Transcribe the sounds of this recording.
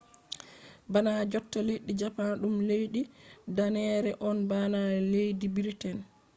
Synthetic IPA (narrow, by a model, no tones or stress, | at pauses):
banad͡ʒɔtːaleɗːid͡ʒapanɗumlejɗidanɛɾɛʔɔnbanalejdibiɾtɛn